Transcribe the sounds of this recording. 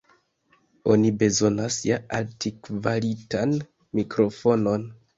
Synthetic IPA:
o̞nibe̞zo̞nasjaantikvalitan | mikɾo̞fo̞no̞n

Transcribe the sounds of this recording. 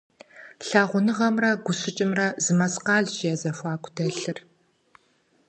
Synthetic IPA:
ɬaːʁʷʊnɨʁɐmrɐɡʷʊsɪt͡ʃʼɪmrɐzɨmɐsqɑːɮʒjɛzɐfʷɑːkʷʰʼʊdɐɬɨr

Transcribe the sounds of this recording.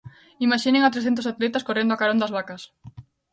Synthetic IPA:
imaʃineŋat̪ɾesθent̪osat̪let̪askorend̪oakaɾond̪azβakɐs

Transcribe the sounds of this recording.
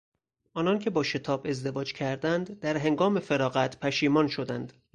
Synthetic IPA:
ʔɒːnɒncʰe̞bɒːʃe̞t̪ʰɒːbe̞zd̪e̞vɒːd͡ʒcʰæɾd̪ænd̪ːæɾɦe̞ŋɡɒːme̞feɾɒːɣæt̪ʰpʰæʃiːmɒːnʃo̞d̪ænd̪

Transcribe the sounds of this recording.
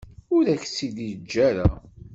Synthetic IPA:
ʊɾæçsid̪id͡ʒːæɾa

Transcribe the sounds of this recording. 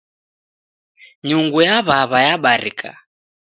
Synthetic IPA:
ɲuŋɡujaβaβajaɓaɾḭkʰa̰

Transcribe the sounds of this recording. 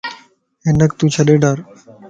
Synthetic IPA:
enək̚t̪ũːt͡ʃʰəɗeːɖaːɾ

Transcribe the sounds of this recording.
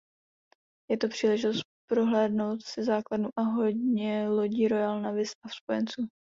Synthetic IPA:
jɛt̪o̞pr̥iːlɛʒɪt̪o̞st̪̚pɾo̞ɦlɛːdno̞wt̪sɪzaːkladnuʔaɦo̞ɟɲɛlo̞ɟiːɾojalnavɪst̪afspo̞jɛnt͡suː

